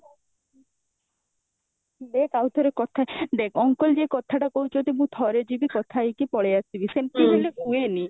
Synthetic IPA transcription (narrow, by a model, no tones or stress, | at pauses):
d̪ekawt̪ʰɔɾekɔt̪ʰad̪ekʰɔŋkɔld͡ʒekɔt̪ʰaʈakoɦut͡ʃʰɔt̪imũt̪ʰɔɾed͡ʒibikɔt̪ʰajkipɔɭejasibisenpiɦelemũeni